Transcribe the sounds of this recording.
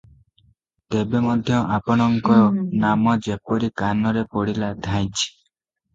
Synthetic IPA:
t̪ebemɔd̪ʱjɔʔapɔɽ̃ɔŋkɔɾɔnamɔd͡ʒepɔɾikanɔɾepɔɽilad̪ʱaj̃t͡ʃʰi̥

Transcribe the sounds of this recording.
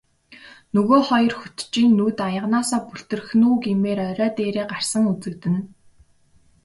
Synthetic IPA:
nɵɣoːχɔjɞ̆rxut̪t͡ɕiːnːuːt̪ajə̆ʁnaːsaːpuɬt̪ɵ̆rxnuːɡimeːɾœɾʲœːt̪eːɾeːɢar̥sə̆ŋut͡sɘ̆kt̪ɘ̆n

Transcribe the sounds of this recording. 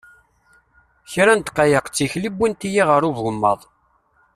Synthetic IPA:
çɾænt̪qɑjəqt͡sːiçlibːint̪ijiʁəɾˤuvəmːə̰ðˤ

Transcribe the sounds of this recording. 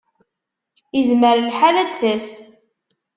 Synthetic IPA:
izməɾlħalæd̪θæs

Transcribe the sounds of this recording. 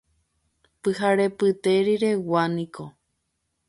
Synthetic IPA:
pɨɦaɾepɨt̪eɾiɾewanĩkʰo

